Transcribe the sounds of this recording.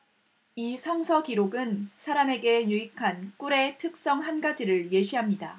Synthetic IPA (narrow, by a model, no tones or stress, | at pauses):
isʰʌŋsʰʌkiɾoɡɯnsʰaɾame̞ɡe̞juikʰank͈uɾe̞tʰɯk̚s͈ʌŋɦanɡad͡ʑiɾɯɭje̞ɕʰiɦamɲida